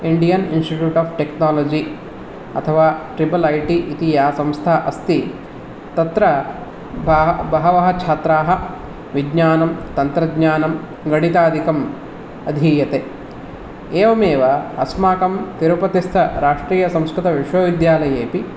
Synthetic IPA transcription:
iɳɖijɐninsʈiʈjuːʈaːpʰʈeknaːloːd͡ʒi | ɐ̰t̪ʰɐʋaːʈɾibɐlɐjʈiʔit̪ijaːsɐ̃mst̪ʰaːʔɐst̪i | t̪ɐt̪ɾɐ | bbɐɦɐʋɐɦɐt͡ʃʰaːt̪ɾaːɦɐ | ʋiɡɲaːnɐmt̪ɐnt̪ɾɐɡɲaːnɐm | ɡɐɳit̪aːd̪ʱikɐm | ɐd̪ʱiːjɐt̪e | eːʋɐmeːʋɐɐsmaːkɐmt̪iɾɐpɐt̪ist̪ʰɐɾaːʂʈɾiːjɐsɐ̃mskɾit̪ɐʋiʂʋoːʋid̪jaːlɐjeːpi

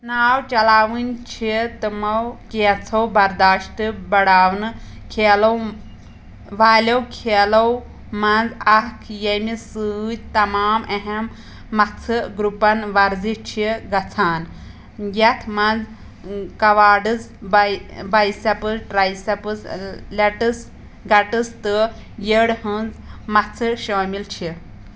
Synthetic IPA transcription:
naːwt͡ʃɐlaːʋɨnʲt͡ʃʰit̪ɨmɐwkeːt͡sʰɐwbɐɾd̪aːʃʈɨbɐɽaːwnɨkʰeːlɐw | ʋaːlʲɐwkʰeːlɐw | mɐnd͡zɐɦkʰjɐjmisɨːt̪ɐmaːmeɦemː | ɐt͡sʰɨɡɾupɐnʋaɾd͡zit͡ʃʰiɡɐt͡sʰaːn | ɡat̪ʰmãd͡z | kɐʋaːɖɨt͡s | bbajsapɨʈɾajsɐpəslɐʈəs | ɡɐʈəst̪ə | jeɽhənd͡zmɐt͡sʰəɕoːmilt͡ʃʰi

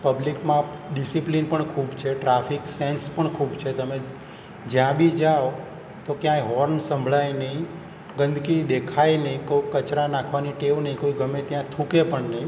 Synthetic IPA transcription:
pəblikmãɖisiplinpəɳkʰubt͡ʃʰeʈɾafiksẽnspəɳkʰubt͡ʃʰet̪əme | d͡ʒjãbʱid͡ʒao | t̪okjãɦɔɾnsə̃mbʱɭajnəĩ | ɡə̃nd̪ʱkid̪ekʰajnəĩkoikət͡ʃɾanãkʰʋaniʈeʋnəĩkoiɡəmẽt̪jãt̪ʰũkepəɳnəĩ

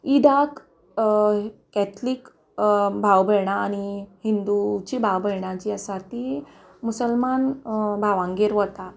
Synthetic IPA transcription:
id̪ak | kɛt̪ʰlik | bʱawbʱəɭɳ̃aːñihind̪ut͡ɕibʱawbʱəɭɳat͡ɕiːəsat̪i | musəlmanbʱaʋãŋɡeɾʋət̪a

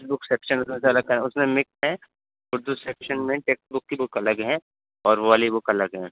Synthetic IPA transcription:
esbʊkseːpʃənʊs̬mẽseɐləɡ̚kɐɛ̃ʊsmẽmɪksɦɛ̃ | ʊɾd̪useːpʃənmẽʈeːksbʊkːibʊkɐləɡɦɛ̃ː | ɔːɾʋoʋaːlibʊkɐləɡɦɛ̃ː

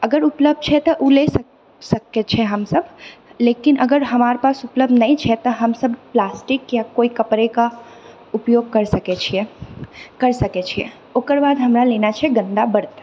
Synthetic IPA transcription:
əɡəɾupləb̚d̪̚t͡ʃʰɛt̪ɔʔules | səkːet͡ʃʰɛɦəmsəblekinʔəɡəɾɦəmaːɾpaːsupləb̚d̪nəĩt͡ʃʰɛt̪ɔɦəmsəbplaːsʈikjakoikəpɾeka | upjoɡ̚kəɾsəket͡ʃʰie | kəɾsəket͡ʃʰiḛ | okəɾbaːd̪ʱɦəmɾalenat͡ʃʰɛɡə̃nd̪abəɾt̪

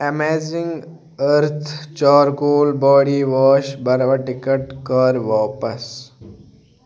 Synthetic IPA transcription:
emeːzɪ̃ŋɡ | əɾt̪ʰt͡ʃaːɾkoːlbɔːɽiʋɔːʃbɐɾʋaʈɪkəʈkəɾʋɔːpəs

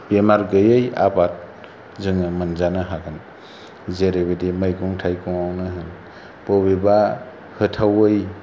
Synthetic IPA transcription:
bemaɾɡɯjɯja̰bat̚ | zɯŋɯmɯnzanɯɦaɡɯn | zeɾebedimajɡuŋtʰajkʰɔŋawnɯɦɯn | pobeba | hɯtʰawɯj

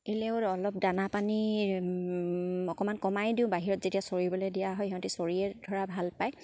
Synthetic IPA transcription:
elɛʊɔlɔp̚danapani | ɔkɔmankɔmajdĩʊ̃baɦiɹɔtz̥etiasoɹibɔledijaɦɔjiɦɔ̃ntisoɹiɛdʱɔɹabʱalpaj

